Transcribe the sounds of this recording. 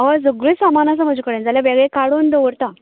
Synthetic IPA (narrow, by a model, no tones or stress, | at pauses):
ʋad͡zəɡɾəsamanas̬am̤əd͡ʑukəɽənd͡zaljaʋeɡɭekaɽond̪əʋəɾt̪a